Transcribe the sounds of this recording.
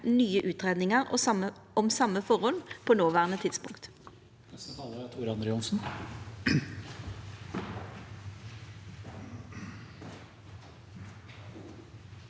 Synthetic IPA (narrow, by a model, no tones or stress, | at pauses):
nyːəʔʉːt̪ʁeːd̪nɪŋəʁɔ̰ə | ɔmsɑmːəfɔʁɔlpʰoːnoːʋæːʁənət̪ʰɪt̪spʊŋkt̪ | ɛskʰɑləɾɑt̪ʰuɾɑnd̪ɾəʊnsn̩